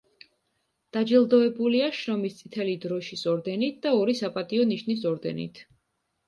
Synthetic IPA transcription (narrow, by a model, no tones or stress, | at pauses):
d̪̥ad͡ʒilˠd̪ɔɛbuliaʃɾɔmist̪sʼit̪ʰɛlid̪ɾɔʃisɔɾd̪ɛnit̪̚ʰd̪̥aɔɾisapʼat̪ʼiɔniʃnisɔɾd̪ɛ̰nḭt̪ʰ